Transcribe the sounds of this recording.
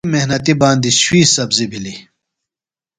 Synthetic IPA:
mehnɐt̪ibaːnd̪iɕwiːsɐbzibʱili

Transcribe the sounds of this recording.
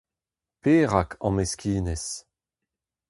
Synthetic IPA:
peːʁakʰɑ̰̃meskʰʲiːnɛs

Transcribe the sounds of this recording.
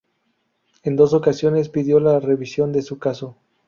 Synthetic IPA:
end̪o̞s̬o̞kasjo̞ne̞s̬piðjo̞lare̞βisjo̞nd̪e̞sukaso̞

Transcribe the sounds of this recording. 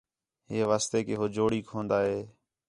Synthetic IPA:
ɦeːʋaːst̪eːkeːɦoːd͡ʒoːɽiːkʰõːnd̪aːɦeː

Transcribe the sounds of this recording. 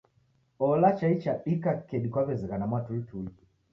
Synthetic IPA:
ɔlat͡ʃait͡ʃaɗikakɛɗikwaβɛziɣanamwatultʰui

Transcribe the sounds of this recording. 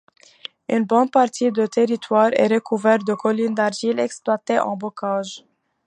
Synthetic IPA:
ynbɔ̃n̚paʁt̪ʰid̪ət̪eʁit̪waːʁɛ̰ʁəkuvɛʁ̚d̪əkɔlind̪aʁʒilɛksplwat̪eʔɑ̰̃bɔkaʒ

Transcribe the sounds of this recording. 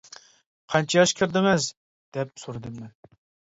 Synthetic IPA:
qʰɑnt͡ʃʰɑjɑʃkʲʰɪɾd̪ɪmɛz | d̪̥ɛp̚soɾɨd̪ɨmːɛn

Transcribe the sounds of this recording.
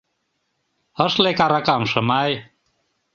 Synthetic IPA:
ɤ̆ʃlekɑɾɑkɑmʃɤmɑj

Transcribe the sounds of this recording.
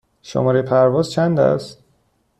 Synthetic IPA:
ʃo̰mɒːɾepʰæɾvɒːzt͡ʃʰænd̪æ̰st̪

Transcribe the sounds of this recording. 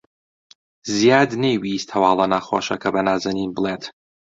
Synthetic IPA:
zijaːd̪nejwist̪ʰɐwaːlˠɐnaːxo̰ʃɐ̰kʰɐbɐnaːzɐninbɨlˠet̪

